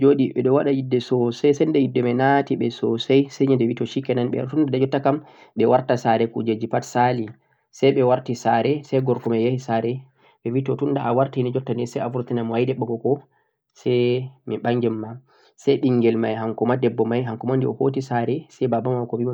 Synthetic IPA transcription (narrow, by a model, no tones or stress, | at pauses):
d͡ʒoɗiɓɛɗɔwaɗajidːɛsɔsajsɛndɛjidːɛmajnatiɓɛsɔsajsajɲɛndɛwitɔʃikːɛnanɓɛ̰tundadad͡ʒɔtːakamɓɛwaɾtasaɾɛkṵd͡ʒed͡ʒipatsali | sɛjɓɛwaɾtisaɾɛsɛjɡɔɾkɔmajahisaɾɛ | ɓɛwitɔtunːdaʔawaɾtihinid͡ʒɔtːanɛsɛjafuɾtinamwajdɛɓːɔɡɔkɔ | sɛmiɓaɲd͡ʒɛmːa | sajɗiŋɡɛlmajɦaŋkɔmadɛbːɔmajɦaŋkɔmandiɔhotisaɾɛsɛjbabamawkɔwim